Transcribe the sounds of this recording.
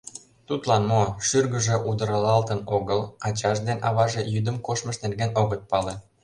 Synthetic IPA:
t̪ut̪lɑnmoʃyrɣə̆ʒĕʔud̪ə̆ɾɑlɑlt̪ənoɣəlɑt͡ɕɑʒd̪enʔɑβɑʒejyd̪ə̆mkoʃmə̆ʃnerɣenoɣət̪̚pɑlen

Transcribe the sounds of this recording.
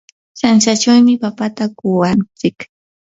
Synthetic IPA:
sanʃat͡ʃawmɪpapat̪akʊwant͡sɪk

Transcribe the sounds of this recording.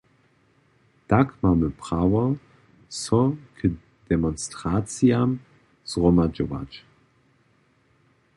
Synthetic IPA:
d̥akmaməpʁ̥awɐ | sɔkʰə | d̥ɛmɔnstʁ̥aːt͡siam | sʁomad͡ʒova̰t͡ʃ

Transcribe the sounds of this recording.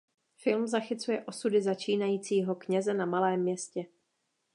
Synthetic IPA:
fɪlmzaxɪt͡sujɛʔo̞sudɪzat͡ʃiːnajiːt͡siːɦo̞kɲɛzɛnamalɛːmːɲɛscɛ

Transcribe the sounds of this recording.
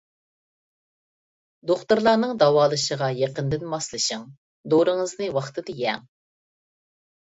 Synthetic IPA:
d̪oχt̪uɾlˠɑɾnɨŋd̪ɑwɑːlˠɨʃəʁɑjeqənd̪ɪnmɑslˠɨʃɨŋ | d̪oɾɨŋɨznɨwɑχt̪ʰɨd̪ɨjɛŋ

